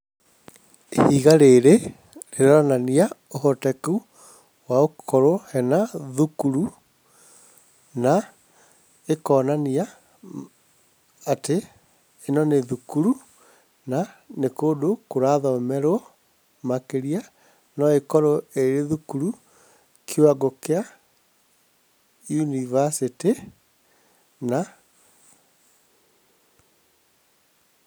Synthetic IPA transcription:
ḛhiɣaɾeɾe | ɾeɾɔnania | ohɔtɛku | waokʰɔɾohɛnaðukuɾu | na | ekɔːnania | teː | nɔneðukuɾu | nanekoːdokoɾaðɔmɛɾwɔ | makeɾia | nɔekɔɾɔeɾeðukuɾu | kʰoaɡokea | junivasiti | na

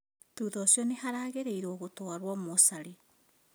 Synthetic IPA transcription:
tuːðɔsjɔnehaɾaːɣeɾeiɾoːɣotoaɾwɔmosaɾe

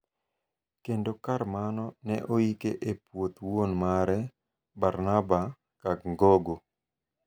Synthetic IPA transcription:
kendokarmanɔnɛʔoikeʔepwot̪wonmaɾɛ | baɾnaba | kaɡ̚ŋɡoɡo

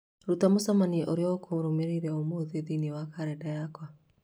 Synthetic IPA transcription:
ɾutamosamaniʔoɾeɔkʰoɾomeɾiɾɛomoðeðiniwakaɾɛdajakwa

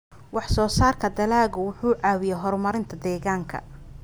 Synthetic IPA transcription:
wɑħsɔːsaːrkʰɐd̪ɐlaːɣʊwʊħuːʕɑːwɪjɛɦɔrmɐɾɪnt̪ʰɐd̪ɛːɣaːŋkʰɐ̰

